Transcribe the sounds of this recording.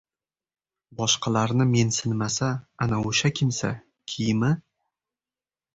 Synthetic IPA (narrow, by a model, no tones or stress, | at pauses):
bɒʃqɑlaɾnɪme̞nsɪnmasaanaoʃakʲʰɪmsa̰ | kʲʰijmɪ